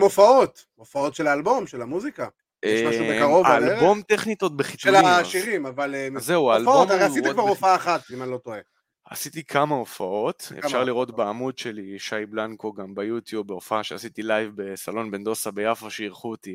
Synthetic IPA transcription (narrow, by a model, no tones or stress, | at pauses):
mofaot̪ | ofao̞tʃelaːlbo̞mʃelamuzika | jemaʃubekaʁovaːlebo̞mt̪eχnit̪ot̪̚beχit͡sulaʃiʁimavalmzeuaːlfot̪aʁeasit̪ekvaʁofaaːχat̪imanlo̞t̪oe | a̰sit̪ikʰamaofaʔo̞t̪efʃʃaʁliʁo̞t̪beamudʃeliʃajblankoɡambajut̪jubːeofaaʃeasit̪ilajvbe̞salo̞nbend̪o̞sabejafaʃeiʁχuot̪i